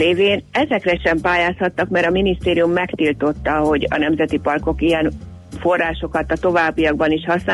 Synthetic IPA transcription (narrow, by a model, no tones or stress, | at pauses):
eːveːnɛzɛkrɛʃɛmpaːjaːshɒt̪ːɒkmɛɾɒminist̪eːɾijumːɛkt̪ilt̪o̞t̪ːɒɦo̞ɟɒ̰nɛmzɛt̪ipɒrko̞kijɛn | fo̞rːaːʃo̞kɒt̪ɒt̪o̞vaːbːijɒɡ̚bɒniʃhɒsnaː